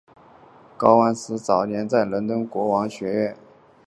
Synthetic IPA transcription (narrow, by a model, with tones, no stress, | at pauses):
kɑ˥ʊwa˥nsɹ̩˥t͡sɑ˨˩ʊnjɛ˧˥nt͡sa˥˩ɪlə˧˥nt̪ə˥nkwɔ˧˥wɑ˧˥ŋɕɥɛ˧˥ɥɛ˥˩n